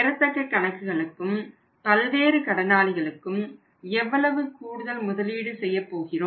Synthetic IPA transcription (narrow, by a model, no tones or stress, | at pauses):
ɛɾɐt̪ːɐkːɐkːɐɳɐkːɯɣɐɭɯkːɯm | pɐlʋeːɾɯkɐɽɐnaːɭɪɣɐɭɯkːɯm | ɛʋːɐɭɐʋɯkuːɽɯðɐlmʊðɐliːɽɯsɛjːɐpːoːɣɪroː